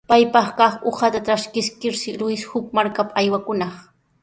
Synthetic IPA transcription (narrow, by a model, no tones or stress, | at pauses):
pajpɑχkɑχohat̪aʈ͡ʂaskɪskɪɾsɪlʊjshʊk̚maɾkapaajwakʊnɑχ